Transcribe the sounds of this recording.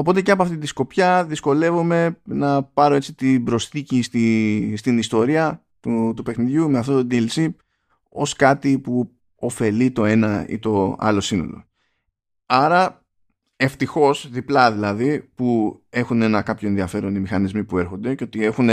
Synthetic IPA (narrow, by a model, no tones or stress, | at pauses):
o̞po̞t̪e̞ceɐpoɐft̪it̪isko̞pçɐðisko̞le̞vume̞nɐpɐɾo̞e̞t͡sit̪ibɾo̞sθicist̪ist̪inist̪o̞ɾiɐ | t̪ut̪upe̞xniðʝume̞ɐft̪o̞t̪od̪ilsip | o̞̰skɐt̪ipu | o̞fe̞lit̪o̞e̞nɐḭt̪o̞ɐ̰lo̞sino̞̰lo̞̰ | ɐɾɐ | e̞ft̪ixo̞sðiplɐðilɐðipue̞xune̞nɐkɐpçoe̞nðiɐfe̞ɾo̞nimixɐnizmipue̞ɾxo̞nd̪e̞ceo̞t̪ie̞xune